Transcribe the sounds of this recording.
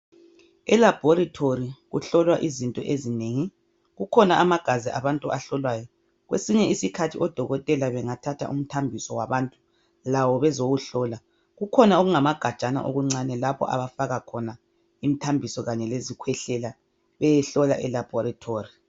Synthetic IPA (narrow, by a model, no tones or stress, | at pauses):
ɛlab̥ʱɔɾitʰoɾiɣuɬɔlwaʔizintʼɔ̰ʔezineːŋi | ɣukʰɔnaʔːmaɡ̥ʱaziʔaβantʼuʔaɬɔlwajɔ | ɣwḛsiɲɛisikʰatʰiʔɔd̥ʱɔɣɔtʼɛlaβɛŋatʰatʰa̰ʔṵm̩tʰambʱisɔwaβantʼu̥ | lawɔβɛzoɣuɬɔla | ɣukʰɔnaoɣuŋamaɡ̥ʱḁt͡ʃʼana̰ʔo̰ɣuŋ͡ǀanɛlapʰɔ̰ʔa̰βafaɣakʰɔna | im̩tʰambʱisɔɣaɲɛlezikʰwɛɬɛla | βɛjɛɬɔla̰ʔɛlab̥ʱɔɾatʰoːri